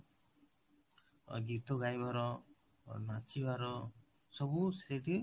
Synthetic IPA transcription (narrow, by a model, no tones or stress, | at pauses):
ɡit̪oɡajbaɾɔ | nat͡ʃibaɾɔ | sɔbusɾeʈi